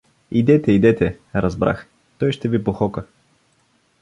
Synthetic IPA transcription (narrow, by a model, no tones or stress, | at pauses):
id̪ɛt̪ɛid̪ɛt̪ɛ | ɾɐzbɾa̰x | t̪ɔjʃt̪ɛvipoxɔkə